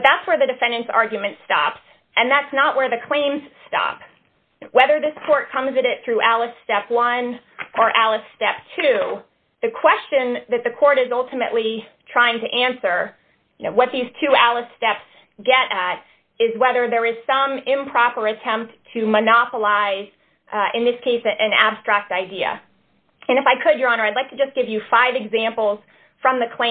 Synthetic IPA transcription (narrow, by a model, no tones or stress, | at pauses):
ðætswə˞ðɨdɨfɛ̃ndɨ̃nsɑ̰ɹɡjmɨ̃ntstɑ̰ps | ɨ̃nðætsnəʔwə˞ðɨkʰl̥ẽɪ̃mz̥stɑ̰p | wɛðə˞ðɪskʰɔɹt̚kʰʌ̃mzɨɾɪt̪̚θɹʉʔælˠəstɛpwʌ̃n | ʔə˞ʔælˠəsstɛp̚tʰʉ | ðɨkʰw̥ɛst͡ʃɨ̃nðɨt̪̚ðɨkʰɔɹɾɨzʌlˠtəmɨ̰ʔlitʰɹ̥aɪɪ̃ŋtʰɨʔæ̃nsə˞ | noʊwʌt̪̚ðiz̥tʰʉælˠəsstɛps | ɡɛɾɨɾ | ɪzwɛðə˞ðə˞ɨz̥sʌ̃mɪ̃mpʰɹ̥ɑpə˞ɨtʰɛ̃mp̚tʰɨmɨnɑpəlaɪz | ɪ̃nðɪskʰeɪsɨʔɨ̃næ̰b̥stɹ̥æk̚taɪdiɨ̰ | ɨ̃ñɨfaɪkʰɨd̚jə˞ɑ̃nə˞aɪdˡlaɪk̚tʰɨd͡ʒʌsɡ̥ɪvjɨfaɪvɨɡzæ̃mpl̩ˠz̥ | fɹʌ̃mðɨkʰl̥ẽ